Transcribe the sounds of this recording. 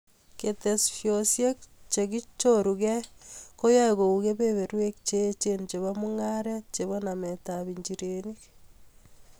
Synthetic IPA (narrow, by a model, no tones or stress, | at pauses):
ketesfjosjekt͡ʃeɣit͡ʃoɾuɣekojoeɣouɣeβeβeɾwekt͡ʃet͡ʃent͡ʃeβamuŋaɾet͡ʃeβonametaβiɲd͡ʒiɾenik